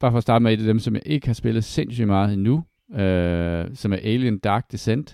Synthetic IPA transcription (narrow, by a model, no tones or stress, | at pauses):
b̥ɑ̈fɒ̽ːsd̥ɑ̈ːdəmeedæd̥emsɒ̽mjɑ̈ɪʔe̝ɡ̥əhɑ̈sb̥e̝lð̩ˠsensymɑ̈ːð̞̩ˠinu | øsɒ̽mæɐʔeɪljənd̥ɑ̈ːɡ̥̚d̥esen̰d̥